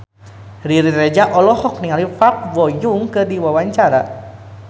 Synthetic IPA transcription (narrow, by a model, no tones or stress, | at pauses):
riɾiɾed͡ʒaʔɔlɔhɔk̚niŋalifap̚wɔjuŋkɨrdiwawaɲt͡ʃaɾa